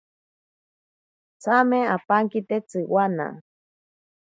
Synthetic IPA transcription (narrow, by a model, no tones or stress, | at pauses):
t͡sʰamẽapaŋkit̪et͡sɨwana̰